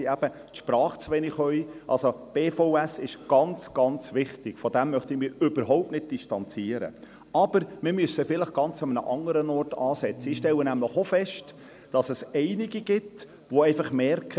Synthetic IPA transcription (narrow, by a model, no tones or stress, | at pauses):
æb̥ə | tʃpɾɑːχt͡sʋɛnɪχœʏʔɑ̰lsob̥eːfoʊæsɪʃɡ̥ɑnt͡sɡ̥ɑnt͡sʋɪχtɪɡ̥fɔdæmːœχtɪmɪːɾʏb̥əɾɦɔʊp̚tnɪt̚d̥istɑnt͡siəɾə̰ | ɑb̥əɾmɪɾmʏsəfɪləχɡ̥ɑnt͡sɑmənə̰ʔɑŋəɾənɔrtɑːsɛt͡sːəɪχʃtɛlːənæmləχofɛʃt | d̥ɑsɛsɛɪniɡiɡ̥ɪt | ʋoɛɪfɑχmɛrkʰə